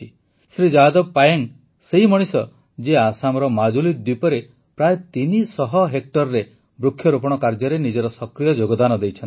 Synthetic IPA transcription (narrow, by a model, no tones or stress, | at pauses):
i | sɾid͡ʒad̪ɔbpajaŋ | seɦimɔɽ̃isɔ | d͡ʒeasamɔɾɔmad͡ʒulid̪wipɔɾe | pɾajet̪inisɔɦɔɦek̚ʈɔɾɾe | bɾukʰːjɔɾupɔɽ̃ɔkaɾd͡ʒɔɾenid͡ʒɔɾɔsɔkɾijɔd͡ʒoɡɔd̪anɔd̪ejt͡ʃʰɔn